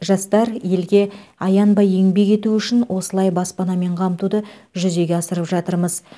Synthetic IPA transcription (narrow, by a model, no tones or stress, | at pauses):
ʒɑst̪ɑɾje̞lɡʲe̞ɑjɑnbɑje̞ŋbe̞kʲe̞t̪uʏʃɪnwʔo̞səlˠɑjbɑspɑnɑme̞ɴqʰɑmət̪ud̪əʒʏze̞ɡʲe̞ɑsəɾəpʒɑt̪əɾməz